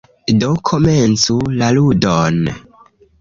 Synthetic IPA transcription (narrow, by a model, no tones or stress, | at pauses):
dokʰoment͡sulaludon